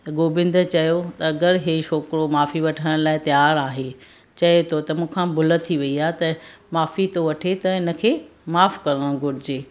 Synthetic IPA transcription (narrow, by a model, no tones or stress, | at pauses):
t̪ɐɡoːbɪ̃nd̪ət͡ɕɐjot̪ɐɐɡəɾɦeʃoːkɾomaːfiʋɐʈʰəɽ̃laːɪt̪jaːɾaːɦe | t͡ɕɐet̪ʰot̪ɐmũːkʰãbʊlə̆t̪ʰiʋɐiaːɦet̪ɐmaːfit̪oʋɐʈʰet̪ɐɪnə̆kʰeːmaːfkɐɾəɽ̃ɡʱʊɾɪd͡ʑeː